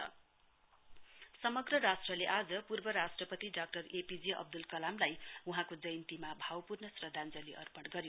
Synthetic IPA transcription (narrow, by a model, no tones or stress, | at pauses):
ʌ | sʌmʌɡrʌɾasʈrʌleʔad͡zʌpurbʌɾasʈrʌpʌt̪iɖak̚ʈʌrepid͡ziʌ̰b̚d̪ulkʌlamlajuɦãkod͡zʌjnt̪imabʱawpurnʌsrʌd̪ʱand͡zʌliʔʌ̰rpʌɽɡʌɾjo